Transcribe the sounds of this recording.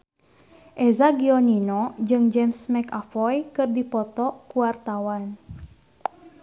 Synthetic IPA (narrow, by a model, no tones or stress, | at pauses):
ʔɛzaɡiɔninɔd͡ʒɨŋd͡ʒɛmsmɛkafɔjkɨrdipɔt̪ɔkuwart̪awan